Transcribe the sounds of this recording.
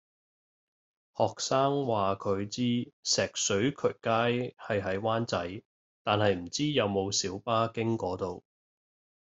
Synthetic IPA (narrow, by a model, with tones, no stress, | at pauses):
hɔː˨k̚saː˥ŋwaː˨kʰɵ˨˧ɥt͡siː˥sɛː˨k̚sɵ˨˥ɥkʰɵ˨˩kaː˥jhɐ˨jɦɐ˨˥jwaː˥nt͡sɐ˨˥j | t̪aː˨nhɐ˨jm̩˨˩t͡siː˥jɐ˨˧wmo˨˧wsiː˨˥wpaː˥kɪ˥ŋkɔː˨˥t̪o˨w